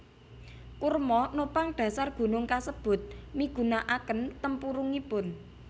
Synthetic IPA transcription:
kurmɔnopaŋɖ̥ä̤sarɡ̥ṳnʊŋkasəb̥ʊ̤t̪̚miɡ̥ṳnaʔakənt̪əmpuɾuŋipʊn

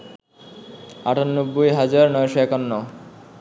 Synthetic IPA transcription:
a̰ʈʰonːobːojɦad͡ʑaɾnɔjʃɔɛkonːɔ

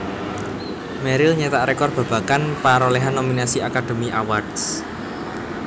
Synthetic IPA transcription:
mɛɾilɲet̪aʔɾɛkɔrb̥ä̤b̥a̤kanpaɾoleɦanːominasiakad̥o̤miʔawards

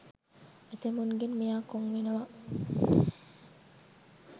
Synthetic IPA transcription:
et̪emuŋɡenmijaːkoŋʋinuʋɐ

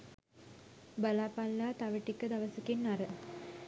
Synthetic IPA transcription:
bɐlaːpːɐlːaːt̪ɐʋɪʈːikːɨd̪ɐʋɐsɯkːinːɐɾɯ

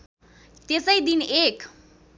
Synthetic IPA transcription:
t̪esəjd̪inek

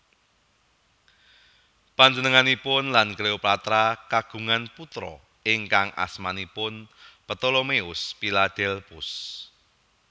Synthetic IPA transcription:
paɲd͡ʒənəŋanipʊnlankleoplat̪ɾakaɡ̥ṳŋanput̪ɾɔ̰ | ɪŋkaŋa̰smanipʊnpət̪olomeʊspilad̪̥ɛlpʊs

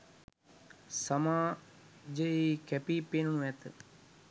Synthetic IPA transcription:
sɐmaː | d͡ʒəikɛpiːpenunuɛt̪ə

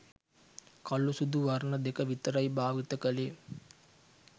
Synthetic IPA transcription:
kɐlːusud̪uʋɐɾnɐd̪ekəʋit̪əɾɐjbʱaːʋit̪əkəleː

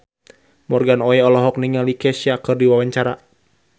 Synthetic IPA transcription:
mɔrɡanɔɛɔlɔɦɔk̚niŋalikɛsiakɨrdiwawaɲt͡ʃaɾa̰

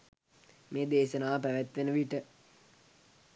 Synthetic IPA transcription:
meːd̪eːʃənaːpæʋæt̪ʋenəʋiʈə

